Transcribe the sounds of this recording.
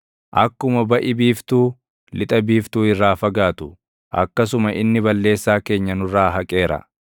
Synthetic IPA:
ʔɐkːʊmɐbɐʔɪbiːft̪uː | lɪt̪ʼɐbiːft̪uːɪrːaːfɐɡaːt̪ʊ | ʔɐ̰kːɐsʊmɐʔɪnːɪbɐlːe̞ːsːaːke̞ːɲːɐnʊrːaːɦɐkʼe̞ːɾɐ̰

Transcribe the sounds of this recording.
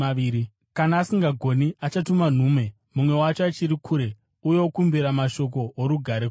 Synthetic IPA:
aiːɾi | kanaːsiŋɡaɡʱo̞niat͡ʃatuman̤uːme̞ | mumwe̞wat͡ʃoat͡ʃiɾikʰuːɾe̞ | uje̞okumbiɾamaʃo̞k̬o̞ːɾuɡʱaɾek

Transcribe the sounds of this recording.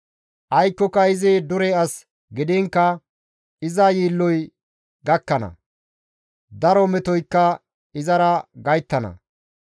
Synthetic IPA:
ʔɐjkːɔkɐɪzed̪ʊɾɛɐs | ɡɪd̪eŋkːɐ | ɪzɐjiːlːɔj | ɡɐkːɐnɐ̰ | d̪ɐɾɔmɛt̪ɔjkːɐ | ɪzɐɾɐɡɐjt̪ːɐnɐ̰

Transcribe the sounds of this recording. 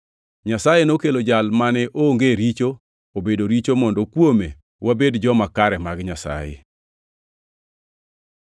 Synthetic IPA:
ɲasajenokelod͡ʒalmanɛʔoŋɡeɾit͡ʃo | obedoɾit͡ʃomɔndokwome | wabedd͡ʒɔmakaɾɛmaɡɲasa̰jḛ

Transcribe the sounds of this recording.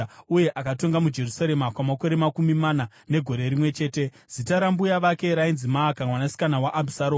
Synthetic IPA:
uje̞ʔakato̞ŋɡamud͡ʒe̞rusaɾe̞makwamako̞ɾe̞makumimana | ne̞ɡʱo̞ɾe̞ɾimwe̞t͡ʃe̞ːte̞ | z̥itaɾambujaʋake̞ɾainzimaːkamwanasi̥kanawaʔabʱisaɾoː

